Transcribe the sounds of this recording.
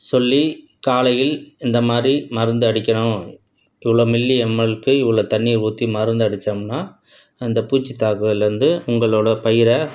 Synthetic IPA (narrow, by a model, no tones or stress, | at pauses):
sɔlːi | kaːlɐjɪlɪnd̪ɐmaːd̪ɾimɐɾɯnd̪ɯɐɽɪkʲːɐɳʊ̃ | ɪʋːɐɭoːmɪlːiɛmːɐɭɯkːɯɪʋːɐɭoːt̪ɐnːiːɾuːt̪ːimɐɾɯnd̪ɯɐɽɪt͡ʃːɐmnaː | ɪnd̪ɐpuːt͡ʃːit̪aːkɯɣɐlɪɾɯnd̪ɯʊŋɡɐɭoːɽɐpɐjɪɾɐ